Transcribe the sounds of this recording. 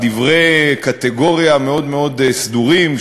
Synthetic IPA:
d̪ivʁejkat̪eɡo̞ʁijameo̞d̪meo̞d̪sd̪uʁim

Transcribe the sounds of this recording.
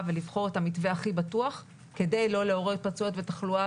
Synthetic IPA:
velivχo̞ʁetamitve̞aχibatuaχ | ke̞dejlo̞leo̞ʁet̚pat͡suotvetaχlua

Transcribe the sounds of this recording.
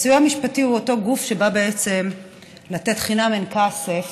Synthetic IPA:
sujamiʃpatihuoto̞ɡufʃe̞babe̞et͡se̞m | late̞tχinamenkasef

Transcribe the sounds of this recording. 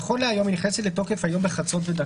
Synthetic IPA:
χoleajo̞miniχnesetlet̪o̞kefajo̞mbeχat͡so̞t̬ved̪a

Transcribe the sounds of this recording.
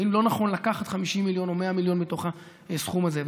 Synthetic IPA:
inlo̞naχo̞nlakaχat̪χamiʃimːiljo̞no̞meamiljo̞nbit̪o̞χa | sχumazev

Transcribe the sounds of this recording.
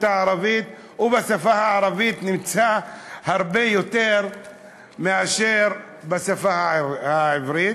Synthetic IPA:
taʕaɾavit̪ | ubasafahaʕaɾavit̪nimt͡sahaʁbejot̪eʁ | meaʃeɾ | basafahhaʕivɾit̪

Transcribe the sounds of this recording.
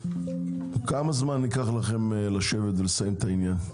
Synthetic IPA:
kamazmanːikaχlaχe̞mlaʃe̞vet̪velesajimt̪ainjan

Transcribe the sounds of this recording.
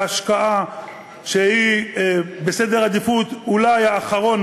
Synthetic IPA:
aʃkaa | ʃehi | besed̪eʁad̪ifut̪ulajaːχaʁo̞n

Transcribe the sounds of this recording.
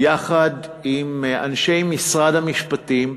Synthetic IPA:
jaχad̪imanʃe̞jmisʁad̪hamiʃpat̪im

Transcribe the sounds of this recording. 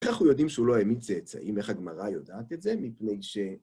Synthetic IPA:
eχaχujo̞d̪imʃeuloemit͡set͡sa̰ʔimeχhaɡmaʁajo̞daːt̪e̞tzemipne̞jʃe

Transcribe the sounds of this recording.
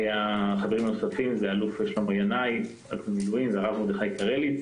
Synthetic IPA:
jaχaveʁimnosafimzealufeʃlomjanaj | a̰kemiluimzeaʁavmod̪eχajkaʁeli

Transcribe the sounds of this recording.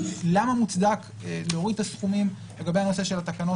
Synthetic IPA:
lamamut͡sd̪ak | leoʁid̪̚tasχumim | le̞ɡabehano̞se̞ʃe̞lat̪akano̞

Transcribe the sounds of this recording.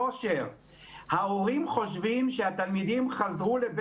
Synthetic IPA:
oʃeʁ | haoʁimχo̞ʃvimʃehat̪almid̪imχazʁuleb

